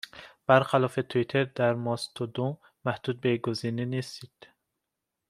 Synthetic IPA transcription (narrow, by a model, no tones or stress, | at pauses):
b̥aɾχalɔfet̪ʰuit̪ʰeɾd̪æɾmɔst̪ʰud̪u | mæhd̪̥ud̪̚beɡuzininist̪id̪̥